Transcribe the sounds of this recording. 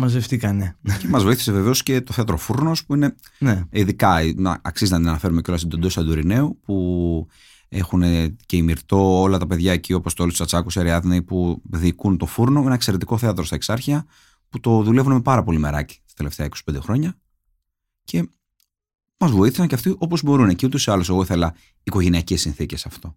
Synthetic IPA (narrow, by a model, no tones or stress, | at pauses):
mɐzvefθikɐnece̞mɐzvo̞iθi̥seve̞ve̞o̞sce̞t̪oθe̞ɐt̪ɾo̞fuɾno̞spuine̞neiðikɐinɐ̰ɐksizt̪nɐt̪inɐnɐfe̞ɾume̞co̞lɐst̪id̪od̪osɐd̪uoɾine̞upu | e̞xune̞ce̞imiɾt̪o̞olɐt̪ɐpe̞ðʝɐeciuoɐpo̞st̪olist̪usɐt͡sɐkuseɾiɐðneipuðikunt̪o̞fuɾno̞inɐekse̞ɾe̞t̪i̥ko̞θeɐt̪ɾo̞st̪ɐeksɐɾçiɐ | put̪o̞ðule̞vunemepɐɾɐpo̞lime̞ɾɐci̥t̪ɐ̥t̪e̞left̪e̞ɐiko̞si̥ped̪e̞xɾo̞ɲɐ | cʰe̞ | mɐzvoiθi̥sɐɲceɐft̪iʔo̞po̞zbo̞ɾuneciut̪osiɐlose̞ɣo̞iθe̞lɐ | iko̞ʝe̞niɐcesːinθice̞sɐft̪o̞